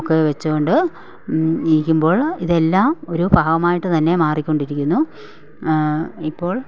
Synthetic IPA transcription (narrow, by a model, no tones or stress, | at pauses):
kːeʋet͡ɕːukoɳɖɨ | iikʲːumbo̞ːɭiðe̞lːaːmo̞ɾubʱaːʋɐmaːjiʈːɨt̪ɐnːe̞maːrikʲːo̞ɳɖiɾikʲːunːu | ipːo̞ːɭ